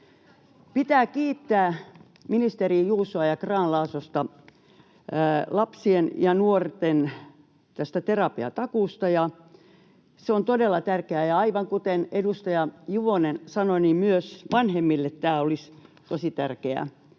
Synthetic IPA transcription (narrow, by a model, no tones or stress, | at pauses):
pit̪æːkiːt̪ːæː | minist̪eriːjuːsoɑjɑkrɑːnlɑːsost̪ɑ | lɑpsienjɑnuort̪en | t̪æst̪æt̪erɑpiɑ̰t̪ɑkuˑst̪ɑjɑ | seont̪odelːɑt̪ærkeæjɑɑiʋɑŋkut̪enedust̪ɑjɑjuʋonensɑnonimyøsʋɑnhemːilːet̪t̪æːolist̪osit̪ærkeæ̰